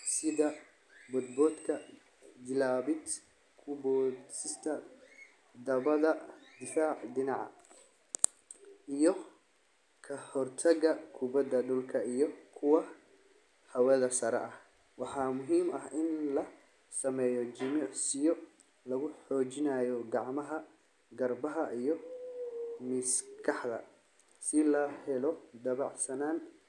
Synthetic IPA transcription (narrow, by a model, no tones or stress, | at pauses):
sɪðɐ | bɔd̪̚bɔːd̪kʰɐ | d̪ɪlaːβɪd̪ | kʰʊbɔːsɪst̪ʰɐ | d̪ɐβɐðɐd̪ɪfaːʕdɪnɑʕɑ̰ | ʔijɔ | kʰɐhɔrt̪ʰɐɣɐkʰʊbɐd̪ɐɖʊlkʰɐijɔkʰʊwɑ | hɐwɛðɐsɐɾɛ̰ʔɐh | wɑħɑːmʊɦiːmɐɦɪnlɐ | sɐmɛjɔd͡ʒɪmɪʕsɪjɔ | lɐɣʊħɔːt͡ʃɪnaːjɔɡɑʕmɐɦɐ | ɡɐrbɐɦɐʔijɔ | mɪskʰɑħd̪ɐ̰ | sɪlɐhɛlɔd̪ɐβɑʕsɐnaːn